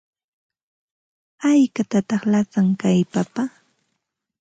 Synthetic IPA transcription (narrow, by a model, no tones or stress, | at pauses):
ajkat̪at̪ɑχlasaŋkajpapa